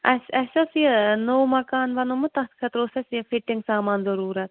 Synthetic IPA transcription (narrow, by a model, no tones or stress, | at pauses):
ɐɐʃɐsienoːmɐkaːnʋɐnomʊt̪ɐkʰɐt̪ɾoːsesiepʰɪʈɪŋɡsaːmaːnzɐɾuːɾɐt̪̚